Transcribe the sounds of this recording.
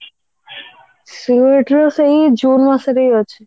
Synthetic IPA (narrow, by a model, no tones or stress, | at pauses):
sieʈɾosejd͡ʑunmaseɾejoːt͡ɕʰe